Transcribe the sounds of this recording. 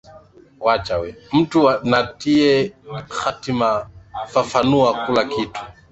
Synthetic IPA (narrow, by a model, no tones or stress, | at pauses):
wat͡ʃawɛm̩tuanatiɛxatimafafanuakulakitʰu̥